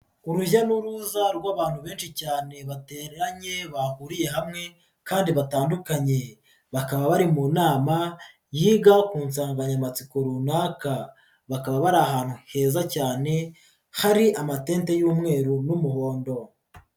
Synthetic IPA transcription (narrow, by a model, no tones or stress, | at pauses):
uɾujanuɾuzaɾɡwaːβaːn̥huβe̞ːnʃicaːne̞βate̞ːɾeɾaɲe̞βahuɾije̞ɦamŋe̞ | kaːndiβataːndukaɲe̞ | βakaβaβaɾimunaːma | jiːɡakuːnsaːŋɡaɲamat͡siko̞ɾunaːka | βakaβaβaɾaːɦaːn̥huhe̞ːzacaːne̞ | haɾiʔamate̞ːnte̞juːmŋe̞ːɾunumuɦo̞ːndo̞